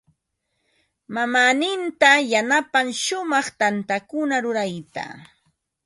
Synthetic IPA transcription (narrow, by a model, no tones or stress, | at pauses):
mamaːnɪnt̪ajanapaŋʃʊmɑχt̪ant̪akʊnaɾʊɾajt̪a̰